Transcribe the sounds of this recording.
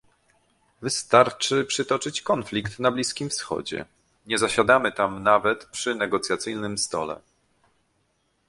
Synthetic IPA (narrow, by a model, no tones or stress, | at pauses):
vɘst̪aɾt͡ʂɘpʂɘt̪ɔt͡ʂɘt͡ɕkɔnflʲikt̪nablʲiskʲimfsxɔ̰d͡ʑɛ̰ | ɲɛzaɕad̪amɘt̪amnavɛt̪pʂɘnɛɡɔt̪sʲjat̪sɘjnɘmst̪ɔ̰lɛ̰